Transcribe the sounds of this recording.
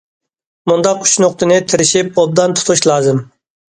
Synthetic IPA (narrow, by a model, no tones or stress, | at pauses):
mund̪ɑqy̥t͡ʃnoqt̪ʰɨnɪt̪ʰɪɾɪʃip̚ob̚d̪ɑnt̪ʰʊ̥t̪ʰuʃlˠɑːzɨm